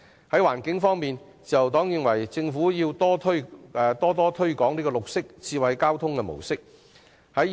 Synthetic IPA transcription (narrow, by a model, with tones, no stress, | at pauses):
hɐ˨˥jwa̰ː˨˩nkɪ˨˥ŋfɔː˥ŋmiː˨n | t͡sɐ˨wt̪ɔː˨˥ŋjɪ˨˧ŋwɐ˨˩jt͡sɪ˧ŋfuː˨˥jiː˧wt̪ɔː˥t̪ʰːt̪ɔː˥t̪ɔː˥t̪ʰɵ˥ɥkɔː˨˥ŋliː˥kɔː˧lʊ˨k̚sɪ˥k̚t͡sʰiː˧wɐ˧jkaː˥wt̪ʰʊ˥ŋkɛ˧mo̰˨˩wsɪ˥k̚ | hɐ˨˥j